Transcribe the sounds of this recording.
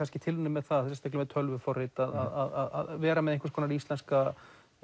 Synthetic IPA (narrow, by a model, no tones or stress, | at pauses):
anscɪt̪ʰɪlʏnːɪmːɛðθaðsɛnst̪aklɪmɛðt̪ʰœlvʏfɔrɪt̪aðaðaða̰ða̰ðvɛːɾamɛðehŋkḁskʰɔːnaɾist̪lɛnska